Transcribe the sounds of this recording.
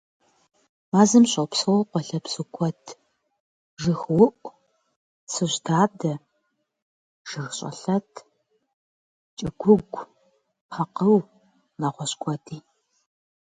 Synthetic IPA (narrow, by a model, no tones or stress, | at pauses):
maːzɨmɕʼɐwpsɨwɐqʷɔɬɐpsɨkʷʰɔtʰ | ʒɨxwʊʔʷ | sɨʑdaːdɐ | ʒ̥ɨxɕʼɐ̰ɬɐtʰ | t͡ʃʼɐɡʷʊɡʷ | χɐqɐw | naːʁʷɔɕkʷʰɔdʰiː